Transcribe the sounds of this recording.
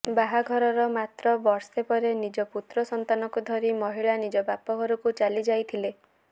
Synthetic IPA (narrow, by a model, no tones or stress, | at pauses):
baɦaɡʱɔɾɔɾɔmat̪ɾɔbɔɾsepɔɾenid͡ʒɔput̪ɾɔsɔnt̪anɔkud̪ʱɔɾimɔɦiɭanid͡ʒɔbapɔɡɔɾukut͡ʃalid͡ʒajt̪ʰile